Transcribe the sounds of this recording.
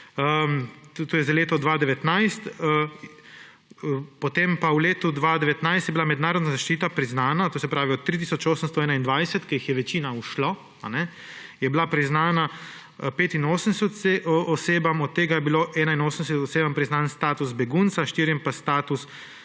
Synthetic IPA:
əmt̪oːjɛzaleːt̪ɔd̪ʋaːd̪ɛʋɛt̪najst̪ə | pɔt̪empawleːt̪ud̪ʋaːd̪ɛʋɛt̪najst̪jɛbilamɛd̪naːɾɔd̪nazaʃt͡ʃiːt̪apɾiznaːnat̪oːsɛpɾaːʋiɔt̪ːɾit̪̬iːsɔt͡ʃoːsənst̪ɔɛːnaind̪ʋajsɛt̪kɛjixjɛʋɛt͡ʃiːnauʃlɔ | a̰nɛ | jɛbilapɾiznaːna | peːt̪inoːsənsɛɔseːbamɔt̪ːeːɡajɛbiloʔɛːnainoːsən̩sɛt̪ɔseːbampɾiznanst̪aːt̪usbɛɡunt̪saʃt̪iːɾiɛmpast̪aːt̪us

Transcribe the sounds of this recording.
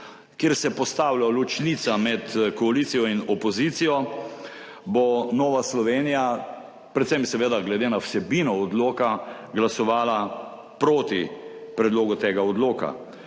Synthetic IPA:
keɾsɛpɔst̪aːwlalut͡ʃnit̪samɛt̪kɔalit̪sijɔinɔpɔzit̪sijɔ | bɔnɔːʋaslɔʋeːnija | pɾɛt̪sɛmsɛʋeːd̪aɡlɛd̪eːnawsɛbinɔːd̪loːka | ɡlasɔʋaːla | pɾoːt̪ipɾɛd̪loːɡut̪eːɡaɔd̪loːka̰

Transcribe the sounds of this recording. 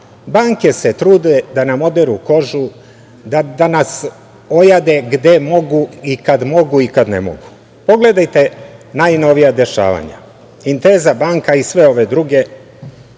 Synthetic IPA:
baːŋke̞set̪ɾuːd̪ed̪anamo̞d̪eɾuko̞ʒu | d̪ad̪anas | o̞jad̪e̞ɡd̪e̞mo̞ɡuikad̪mo̞ɡuikad̪nḛmo̰ɡu | po̞ɡle̞d̪ajt̪e̞najno̞ʋijad̪e̞ʃa̰ːʋa̰ɲa̰ | int̪eːzabaːŋkaisʋe̞o̞ʋe̞d̪ɾuɡe̞

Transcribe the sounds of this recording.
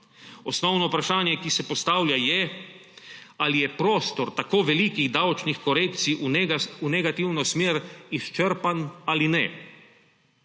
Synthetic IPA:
ɔsnɔwnɔupɾaʃaːnjɛkisɛpɔst̪aːwljajɛ | alijɛpɾoːst̪ɔɾt̪akoːʋɛlikiɣd̪awt͡ʃnixkɔɾeːkt̪siʔuunɛɡat̪iwnɔsmeːɾist͡ʃəɾpanalinɛ

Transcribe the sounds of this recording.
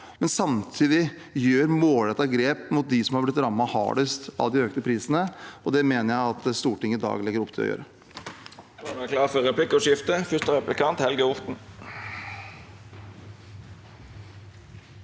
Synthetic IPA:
mɛnsɑmt̪ʰiːd̪ɪ | jøːɾmoːlɛt̪ːɑɡɾeːpmʊt̪̚d̪ɪsɔmhɑɾblɪt̪ːɾɑmːɑhɑ̰ːɖəst̪ɑ̰d̪ɪøːkt̪əpʰɾiːsənəɔd̪ɛmeːnəɾjæɪɑt̪st̪uːʈɪŋːəɪd̪ɑ̰ːɡlɪɡːəɾɔpːt̪ʰɪlɔ̰jø̰ːɾə | ɑnækʰlɑːʁfɔɾʁɛpʰlɪkːɔʂɪft̪əfʏst̪əʁɛplɪkʰɑnt̪hɛlɡəʊʁt̪n̩

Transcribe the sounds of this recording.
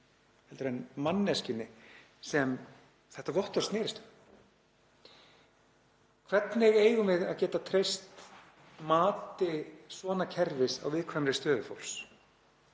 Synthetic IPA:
hɛlt̪ɾɛnmanːɛscɪnːɪ | sɛm | θɛht̪avɔht̪ɔrst̪nɛːɾɪst̪ʏ̥ | kʰvɛt̪nɪɣeːjɣʏmɪða̰ðcɛːt̪at̪ʰɾejst̪ | maːt̪ɪsvɔːnacʰɛɾvɪsa̰wvɪðkʰvamɾɪst̪œːðʏfo̰wls

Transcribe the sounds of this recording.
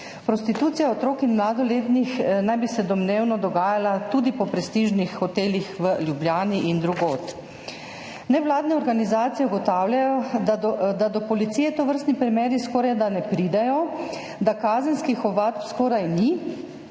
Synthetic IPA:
pɾɔst̪it̪uːt̪sijaɔt̪ɾoːkinmlaːd̪ɔleːt̪nixnajbisɛd̪ɔmneːwnɔd̪ɔɡaːjalat̪uːd̪ipɔpɾɛst̪iːʒnixxɔt̪eːlixʋəlʲjubljaːniʔind̪ɾuɡoːt̪ | nɛʋlaːd̪nɛɔɾɡanizaːt̪sijɛuɡɔt̪aːwlʲjajɔ | d̪ad̪ɔpɔlit̪siːjɛt̪ɔʋəɾst̪nipɾimɛːɾiskɔːɾajd̪anɛpɾiːd̪ɛjɔ | d̪akaːzənskixɔʋat̪pskɔːɾajni

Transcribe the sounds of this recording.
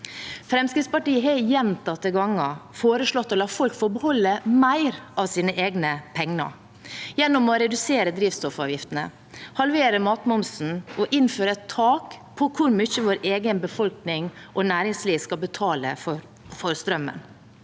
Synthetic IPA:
fɾɛmskɾɪt̪spɑʈiːəɦɛjɛnt̪ɑt̪ːəɡɑŋɑfoːɾəʂɭɔt̪ːɔlɑːfɔlkfɔɾbəhɔlːəmæɪɾɑʋsiːnəʔeːɡnəpʰɛŋnə̰ | jɛnːɔmɔɾɛd̪ʉseːɾəd̪ɾiːʋst̪ɔfɑːʋjɪft̪ənə̰ | hɑlʋeːɾəmɑːt̪mʊmsn̩ʔɔʔɪnføːɾəɛt̪ʰːɑːkpʰɔkʰʊɾmʏçəʋoːɾeːɡənbəfɔlknɪŋʔɔnæːɾɪŋsliːʋskɑlbət̪ʰɑːlə̰fɔ | fɔɾst̪ɾœmːə̰n

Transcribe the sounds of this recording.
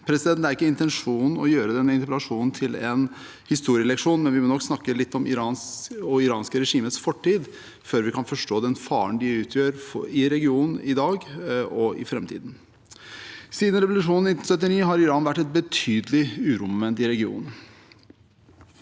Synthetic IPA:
pʰɾɛsɪd̪ɛnt̪æɾɪkːəɪnt̪ɛnʂuːnn̩ɔ̰jøːɾəd̪ɛnːəɪnt̪əpɛlɑʂuːnn̩t̪ʰɪlɛn | hɪst̪uːɾɪəɛlɛkʂuːnmɛnʋɪmɔːnɔkːsnɑkːəlɪt̪ːɔmɪ̰ɾɑːnɔɪɾɑːnskəɾɛʂiːmət̪sfɔʈʰːiːd̪ | føːɾʋɪkʰɑnfɔʂʈoːd̪ɛnfɑːəɳd̪ɪʉːt̪ʰjøːɾɪɾɛɡɪuːnn̩ɪd̪ɑːɡɔɪ̰fɾɛmt̪ʰḭːd̪n | siːd̪nɾɛʋʊlʉʂuːnn̩nɪt̪n̩sœt̪̬ːɪniːɦɑɾɪɾɑːnʋæʈːɛt̪̚bət̪ʰyːd̪əlɪʉːɾʊmənt̪ɪɾɛɡɪṵːn

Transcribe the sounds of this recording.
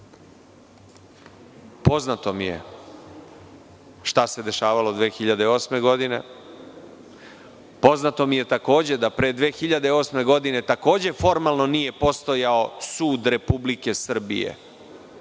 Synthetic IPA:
po̞znat̪o̞mije̞̰ | ʃt̪ase̞d̪e̞ʃaːʋalod̪ʋeːxiʎad̪eo̞ːsme̞ɡod̪inḛ | po̞znat̪o̞mije̞t̪ako̞ːd͡ʑe̞d̪apɾed̪ʋe̞ːxiʎad̪eo̞ːsme̞ɡo̞d̪ine̞t̪ako̞ːd͡ʑe̞fo̞ɾmalˠno̞nije̞po̞st̪o̞jao̞suːd̪ɾe̞publike̞sr̩bḭjḛ

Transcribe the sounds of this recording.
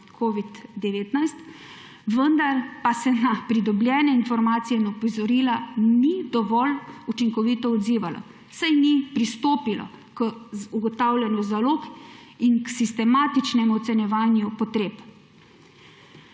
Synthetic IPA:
kʰoːʋid̪d̪ɛʋeːt̪najst̪ | ʋənd̪aɾpasɛnapɾid̪ɔblʲjɛːnɛinfɔɾmaːt̪sijɛinɔpɔzɔɾiːlanid̪ɔʋɔlut͡ʃiŋkɔʋit̪ɔɔd̪ziːʋalɔ̰ | sajnipɾist̪oːpilɔ̰ | kuɡɔt̪aːwlʲjɛnjuzaloːkinksist̪ɛmaːt̪it͡ʃnɛmuɔt̪sɛnjɛʋaːnjupɔt̪ɾeːp

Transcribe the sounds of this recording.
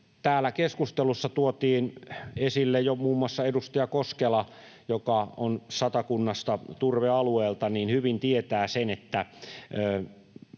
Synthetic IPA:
t̪æːlːˑækeskust̪elusːɑt̪uot̪iːnesilːejjomuːmːuɑsːɑedust̪ɑjɑkoskelɑ | jokɑonsɑt̪ɑkunːɑst̪ɑt̪urʋeɑlueːlt̪ɑniːnhyʋint̪iet̪æːsenet̪ːæøː

